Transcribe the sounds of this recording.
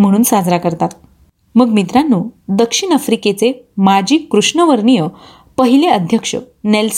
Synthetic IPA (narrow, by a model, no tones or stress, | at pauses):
m̤əɽ̃uːnsad͡zɾakəɾt̪at̪̚ | məɡmit̪ɾanːuːd̪əkʂiɳəfɾiket͡semad͡ʑiːkɾuʂɳəʋəɾɳijə | pəɦileəd̪ʱjəkʂə̰ | nels